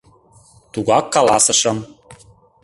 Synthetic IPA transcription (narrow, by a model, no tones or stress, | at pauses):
t̪uɣɑkːɑlˠɑ̰sɤ̆ʃɤ̆m